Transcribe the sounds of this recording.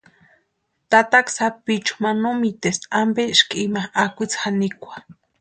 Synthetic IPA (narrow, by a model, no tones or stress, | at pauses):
t̪at̪aksapit͡ʃu̥manomit̪esambeʔʃkimaakʷit͡sxanikʷḁ